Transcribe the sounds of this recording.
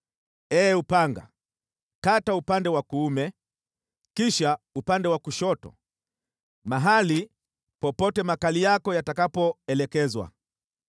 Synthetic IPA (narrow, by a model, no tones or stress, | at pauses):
ɛːupaŋɡa̰ | kataupandɛwakuumɛ | kiʃaupandɛwakuʃɔtɔ̰ | maɦali | pɔpɔtɛmakalijakɔjatakapɔɛlɛkɛzwa̰